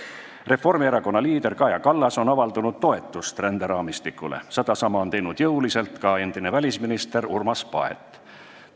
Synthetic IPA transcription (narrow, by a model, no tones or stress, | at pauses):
re̞fo̞rmieɾɑko̞nːɑliːd̪̥e̞rkɑjɑkɑlːɑso̞nɑvɑld̪unud̪̥̚t̪ːo̞e̞t̪ːˑust̪rænd̪eɾɑːmist̪ikːˑulḛsed̪̥ɑsɑmɑont̪e̞jnud̪̥jɤwlise̞lt̪kɑe̞nd̪̥ine̞vælʲisminist̪e̞ɾurmɑspɑ̰ḛt̪ːˑ